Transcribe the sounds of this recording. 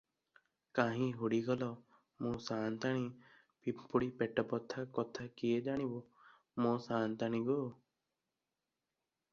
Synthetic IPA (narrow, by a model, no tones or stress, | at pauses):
kãːɦĩːɦʊɽiːɡɔlɔː | mõːsaːnt̪aɳ̃ĩː | pipʊɽiːpɛʈəpɔt̪ʰːakɔt̪ʰaːkijed͡ʒaːɽ̃iboː | mõːsaːnt̪añĩːɡoː